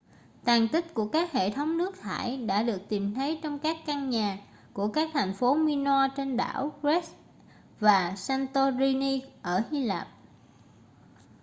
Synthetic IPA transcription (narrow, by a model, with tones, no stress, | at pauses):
t̪aː˨˩ŋt̪ï˦˥k̟̚ku˧˩əkaː˦˥k̚hḛ˧˨t̪ʰə˨˦wŋ͡mnɨ˦˥ək̚t̪ʰa̰ː˧˩jɗa̰ː˧˥ɗɨ˨˩ək̚t̪i˨˩mt̪ʰə˨˦jt͡ɕɔ˧wŋ͡mkaː˦˥kːa˧nɲaː˨˩ | ku˧˩əkaː˦˥k̚t̪ʰa˨˩jŋ̟fo˨˦mi˧nɔ˧t͡ɕe˧nɗa̰ː˧˩˨wkɹɛ˦˥s | vaː˨˩saː˧nt̪o˧zi˧ni˧ʔəː˧˩hi˧laː˨˩p̚